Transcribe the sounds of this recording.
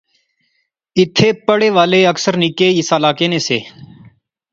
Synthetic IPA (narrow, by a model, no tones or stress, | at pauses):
ɪt̪ʰːeːpəɽeːʋaːleːəksəɾnikeːɪsaːlaːkeːneːsḛː